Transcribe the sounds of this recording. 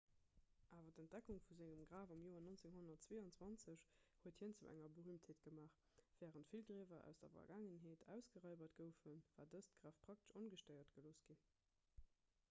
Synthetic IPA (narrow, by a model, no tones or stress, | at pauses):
ʔaːvɐtənt̚d̥ækuŋfuzæŋəmɡʁaːvɑmjoːɐnont͡seŋhonɐtt͡sweːɑnt͡swɑnt͡səɕhuəthiənt͡sṵʔæ̰ŋɐbəʁyːmtheːt̚ɡ̥əmaːχ | v̥ɛːʁəntfilɡʁeːvɐʔæ̰ʊsd̥ɐ̰fɐ̰ɡaːŋənɦeːtʰæ̰ʊsɡ̥əʁɑɪbɐtɡ̥əʊfənvaːdəstɡ̥ʁaːfpʰʁ̥ɑk̚tə̥ʃonɡəʃtəɪɐtɡ̥əloːsɡ̥i